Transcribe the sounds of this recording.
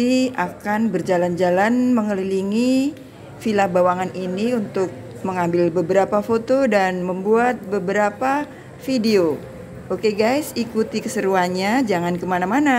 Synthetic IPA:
iakanbərd͡ʒaland͡ʒalanməŋəliliŋi | filahbawaŋaniniunt̪ʊk̚ | məŋambɪlbəbəɾapafot̪odanməmbuat̪̚bəbəɾapa | fideo | okeɡajsikut̪ikəsəɾuanɲad͡ʒaŋankəmanamana

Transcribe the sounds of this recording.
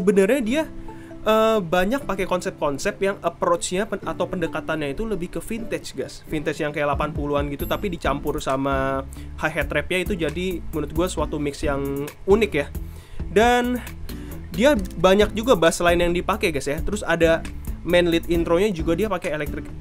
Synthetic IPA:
səbənərɲadia | ʔəbaɲak̚pakekɔnsɛp̚kɔnsɛpjaŋəpɾot͡ʃɲaat̪awpəndəkat̪anɲait̪uləbɪhkəfint̪ɛt͡ʃɡasfint̪ɛt͡ʃjaŋkəlapanpuluanɡit̪ut̪apidit͡ʃampʊrsamahaɦɛt̪ɾɛpjait̪ud͡ʒadimuɾʊt̪̚ɡuaswat̪umɪksjaŋ | unɪkja | dan | diabaɲak̚d͡ʒuɡabaasəlaɪnjaŋdipakeɡasjat̪əɾʊsadamɛnlɪt̪int̪ɾoɲad͡ʒuɡadiapakeelɛk̚t̪ɾɪk̚

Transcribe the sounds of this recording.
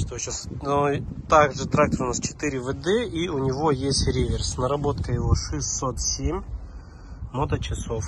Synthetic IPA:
t̪oɕasnot̪aɡʐɨt̪ɾak̚t̪əɾʊnast͡ɕɪ̥t̪ɨɾʲɪvɨd̪ɛiʊnʲɪvojesʲtʲɾʲevʲersnɐɾɐbo̞t̪kəjɪvoʂɨsʲsot̪sʲemʲ | mot̪ət͡ɕɪsof

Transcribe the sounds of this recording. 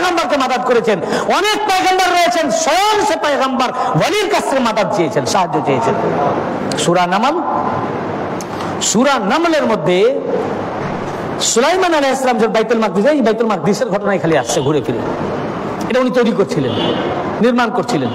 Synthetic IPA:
ɣambaɾkemad̪ad̪̚koɾet͡ɕʰenɔnek̚pajɣambaɾːɔɦet͡ɕʰenʃɔjonsepaeɣambaɾbɔliɾkasʰekemad̪ad̪̚t͡ɕajet͡ɕʰenʃaɦad͡ʑːot͡ɕajet͡ɕʰen | ʃuɾanamal | suɾanamleɾmod̪ʱːe | sulajmanaleɦesːalamd͡ʑeɾbajt̪olmak̚d̪isajbajt̪olmak̚d̪iseɾɡʱɔʈonajkʰaliaʃt͡ʃʰeɡʱuɾet̪ʰilḛn | eʈaunit̪ojɾikoɾt͡ɕʰilenː | iɾmankoɾt͡ɕʰilen

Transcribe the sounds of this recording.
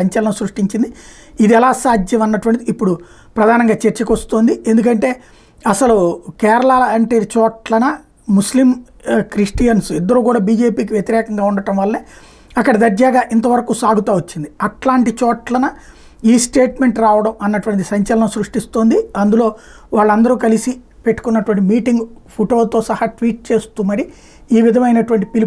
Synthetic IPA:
ɐɲt͡ʃɐlɐɳɐsɾuʂʈiɲt͡ʃind̪i | id̪ɛlaːsaːd̪ʱjɐmɐnːɐʈuʋɐɳʈ̪id̪iːpːuɽu | pɾɐd̪ʱaːnɐŋɡaːt͡ʃeɾt͡ʃɐkʋɐst̪oːnd̪ie̞nd̪uk̬ɐɳʈe̞ː | ɐsɐlukɛːɾɐɭaːlɐɐɳʈeːt͡ʃɔːʈlɐnɐ | muslim | kɾiʂʈijɐnsid̪ːɐɾuːkuːɽaːbiːd͡ʒe̞ːpiːk̬iʋjɐt̪iɾɛːkɐŋɡaːuɳɖɐʈɐmʋɐlːɐneː | ɐkːɐɽɐd̪ɐɾd͡ʒaːɡaːʔint̪ɐʋɐɾɐkuːsaːɡut̪aːʋot͡ʃːind̪iɐʈlaːɳʈit͡ʃɔːʈlɐnɐ | iːsʈeːʈme̞ɳʈɾaːʋɐɽɐmɐnːɐʈuʋɐɳʈ̬isɐɲt͡ʃɐlɐnɐsɾuʂʈist̪oːnd̪iɐnd̪ulo̞ː | ʋaːɭːɐnd̪ɐɾuːkɐlisi | pe̞ʈːu̥kunːɐʈuʋɐɳʈimiːʈiŋɡpʰuʈoːlt̪o̞ːsɐhɐʈʋiːʈ̚t͡ʃe̞ːst̪uːmɐɽi | iːʋid̪ʱɐmɐjnɐʈuʋɐɳʈipili

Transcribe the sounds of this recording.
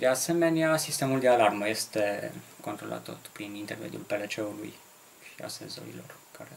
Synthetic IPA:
d̪ease̞me̞neasist̪e̞muld̪e̞alarməje̞st̪e̞ko̞nt̪ɾo̞la̰t̪ːo̞t̪pɾinint̪e̞rmḛd̪julpe̞let͡ʃe̞ulṵj | ʃia̰sezo̰ɾḭlo̞̰rkaɾe

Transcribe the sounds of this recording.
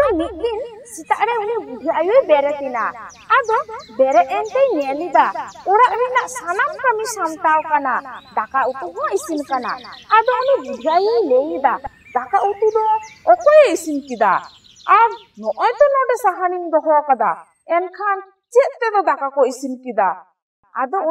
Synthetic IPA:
ɔmit̪̚ˀd̪insit̪aʔɾɛunibud̪ʱiaʔajujbɛɾɛt̪ina̰ː | d̪ɔbɛɾɛʔ̪̚ɛnt̪ɛjnɛlid̪aɔɾaʔɾinaʔsanamkəmisamt̪awkanad̪akaut̪uɦɔʔisinkana̰ːd̪ɔɔnibuɦajilɛjd̪a | d̪akaʔut̪ud̪ɔːkɔjisimkid̪a̰ | aɾ | nɔʔɔjt̪ɔnɔɖɛsaɦanimd̪ɔɦɔkad̪a̰ | ɛnkʰan | t͡ʃɛt̪̚t̪ɛd̪ɔd̪akakɔisinkid̪a̰ | a̰d̪ɔ

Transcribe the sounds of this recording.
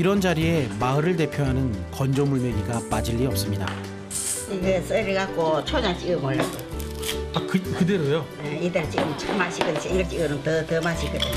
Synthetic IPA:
iɾʌnd͡ʑaɾie̞maɯɾɯɭte̞pʰjoɦanɯnkʌnd͡ʑʌmuɭmeɲiɡap͈ad͡ʑiʎːiʌp̚s͈ɯmɲida̰ | iɡɯs͈ɯɾiɡak͈ot͡ɕʰoɲat͡ɕiɡɯmoɭːaɡo | akɯkɯdeɾojo | eid̪eɾɯt͡ɕiɡɯmɯt͡ɕʰamaɕʰik͈ɯnsʰeŋɡɯɭt͡ɕ͈iɡɯɾɯnt̪ɯt̪ɯmaɕʰik͈ʰɯd̪e

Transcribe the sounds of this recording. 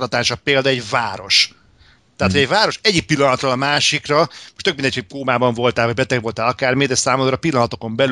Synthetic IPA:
lɒt̪aːʃɒpeːld̪ɒɛɟvaːɾo̞̰ʃ | t̪aɦat̪ho̞ɟɛɟvaːɾo̞ʃɛɟːik̚pilːɒnɒt̪roːlɒmaːʃikrɒmoʃt̪økmind̪ɛɲʰokoːmaːbɒɱvo̞lt̪aːlvɒɟ̚bɛt̪ɛɡʋo̞lt̪aːlɒkaːrmid̪ɛsaːmod̪ɾɒpilːɒnɒt̪o̞ko̞mbɛl

